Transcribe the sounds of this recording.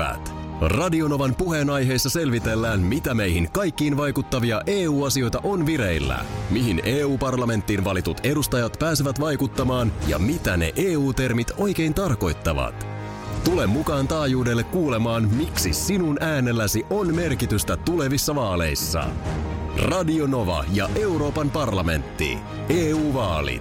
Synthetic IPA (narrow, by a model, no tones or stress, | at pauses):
æ̰t̪ | rɑdio̞no̞ʋɑnpuɦe̞ːnɑjɦe̞jsːɑse̞lʋit̪e̞lːæːnmit̪æme̞jɦiŋkɑjkːiːnʋɑjkut̪ːɑʋiɑʔe̞ːuːɑsio̞jt̪ɑʔo̞nʋiɾe̞jlːæ̰miɦineːuːpɑrlɑme̞nt̪ːiːnʋɑlit̪ut̪e̞dust̪ɑjɑt̪pæːseʋæt̪ʋɑjkut̪ːɑmɑːnjɑ̰mit̪æne̞̰ʔeːuːt̪e̞rmit̪o̞jk̟e̞jnt̪ɑrko̞jt̪ːɑʋɑ̰t̪ | t̪ule̞mːukɑːnt̪ɑːjuːde̞lːekːuːle̞mɑːnmiksisinunʔæːne̞lːæsiʔo̞nme̞rkit̪yst̪æt̪ule̞ʋisːɑʋɑːle̞̰jsːɑ̰ | rɑdio̞no̞ʋɑ̰jɑʔe̞uɾo̞ːpɑnpɑrlɑme̞̰nt̪ːḭ | eːuːʋɑːlḭt̪